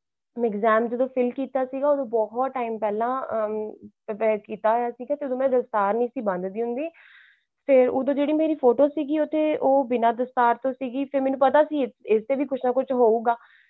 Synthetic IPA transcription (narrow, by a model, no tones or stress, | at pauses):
ɪkzɛːmd͡ʒəd̪õːpʰɪlkiːt̪aːsiːɡaːoːd̪õːbɔːɦɔt̪ʈaːimpɛːlãː | kiːt̪aːɦojaːsiːɡaːt̪eːʊd̪õːmɛ̃ːd̪əst̪aːɾnĩːsiːbə̃nd̪d̪iːɦʊ̃nd̪iː | pʰɪɾoːd̪õːd͡ʒeːɽiːmeːɾiːpʰoːʈoːsiːɡiːot̪ʰeːʔoːbɪnãːd̪əst̪aːɾt̪õːsiːɡiːpʰɪɾmɛːnũːpət̪aːsiːɪst̪eːʋiːkʊt͡ʃʰnaːkʊt͡ʃʰɦoːuːɡaː